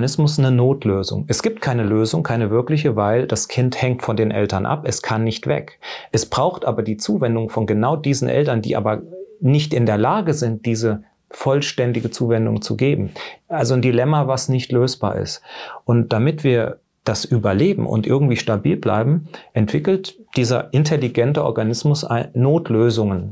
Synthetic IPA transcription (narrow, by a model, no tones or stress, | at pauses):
nɪsmʊsnənoːtʰløːzʊ̰ŋʔɛsɡ̥iːp̚t̚kʰaɪnəløːzʊŋkʰaɪnəvɪɐklɪç̬əvaɪld̥askʰɪnthɛŋtfɔndeːnʔɛ̰ltɐnʔa̰pɛskʰanːɪçtv̥ɛ̰kʔɛsb̥ʁaʊxtʔaːbɐdiːt͡suːvɛndʊŋfɔnɡənaʊdiːzn̩ʔɛ̰ltɐndḭːʔa̰ːbɐnɪçtʔɪndeːɐlaːɡəzɪnt̚d̥iːzə | fɔlʃtɛndɪɡət͡suːvɛndʊ̰ŋt͡sṵɡeːbm̩ʔalzondilɛmavasnɪçtløːsb̥a̰ːɐɪ̰stʔʊnt̚d̥amɪtv̥iːɐ | d̥asʔyːbɐleːbm̩ʊ̰ntʔɪɐɡŋ̩tv̥iːʃtabḭːlbla̰ɪbm̩ʔɛntv̥ɪkl̩td̥iːzɐ̰ʔɪntʰɛliɡɛntəʔɔ̰ɐɡanɪsmʊsʔa̰ɪnːoːtløːzʊŋən